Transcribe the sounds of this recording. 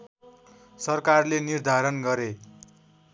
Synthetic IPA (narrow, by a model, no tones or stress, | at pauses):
sʌrkarlenird̪ʱaɾʌnɡʌɾe